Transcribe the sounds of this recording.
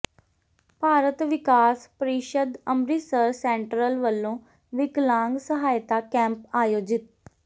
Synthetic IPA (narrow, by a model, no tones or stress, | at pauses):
paːɾət̪ʋɪkaːspəɾiːʃəd̪əmɾiːsəɾsɛ̃ːɳʈɾəlʋəlːõː | ʋɪklãːŋɡsəɦaːjt̪aːkɛ̃ːmpaːjoːd͡ʒɪt̪̚